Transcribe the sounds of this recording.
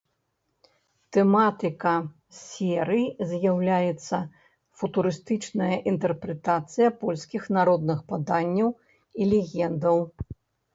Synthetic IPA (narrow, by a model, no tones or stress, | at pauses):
t̪ɛmat̪ɨkɐ | sʲɛɾɨjzʲjawlʲajɛt̪sːɐ | fut̪uɾɨst̪ɨt͡ʂnɐjɐʔint̪ɛrpɾɛt̪at̪sɨjɐpɔlʲsʲkʲixnaɾɔd̪nɨxpad̪anʲːɐw | ilʲɛɣʲɛnd̪ɐw